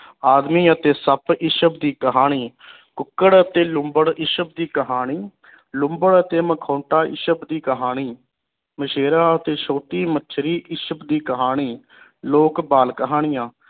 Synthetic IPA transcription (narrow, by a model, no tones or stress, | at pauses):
aːd̪miːət̪eːsəpʰɪʃəb̚d̪iːkəɦaːɽ̃iː | kʊkːəɽət̪eːlʊmbəɽɪʃəb̚d̪iːkəɦaːɽ̃iː | lʊmbəɽət̪eːməkʰõːʈaːɪ̰ʃəbd̪iːkəɦaːɽ̃iː | məʃeːɾaːət̪eːʃoːt̪iːmətːʃʰɾiːʔɪʃəbd̪iːkəɦaːɽ̃iː | loːkbaːlkəɦaːɽ̃ɪjãː